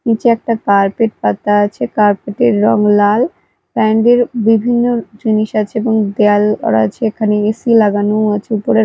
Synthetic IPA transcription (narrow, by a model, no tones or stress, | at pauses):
nit͡ɕeɛk̚ʈakaɾpeʈ̚pat̪ːaat͡ɕʰekaɾpeʈeɾːɔŋlal | pɛɳɖeɾbibʱinːod͡ʑiniʃat͡ɕʰeeboŋd̪ealɔ̰ɾa̰t͡ɕʰeekʰaneesilaɡanoat͡ɕʰeupoɾe